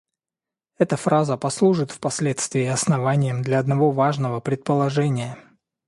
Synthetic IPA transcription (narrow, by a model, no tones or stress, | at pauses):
ɛt̪əfɾazəpɐslˠuʐɨt̪fpɐsʲlʲet̪st̪vʲɪːɐsnɐvanʲɪjəmd̪lʲɐɐd̪nɐvo̞vaʐnəvəpɾʲɪt̪̚pəlˠɐʐɛnʲɪjə